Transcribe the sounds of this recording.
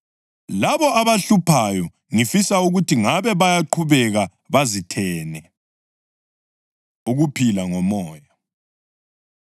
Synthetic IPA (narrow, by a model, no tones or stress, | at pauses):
laβɔʔaβaɬupʰajɔ | ŋifisauɣutʰiŋaβɛβajaǃʰuβɛɣa | βazitʰɛːnɛ | uɣupʰilaŋɔmɔːja